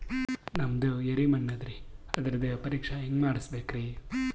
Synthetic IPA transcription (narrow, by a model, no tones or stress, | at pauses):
nɐmd̪ueɾimɐnːɐd̪ɾiɐd̪ɐɾɐd̪epɐɾiːkʂɐɦeŋɡmaːɽisbeːkɾi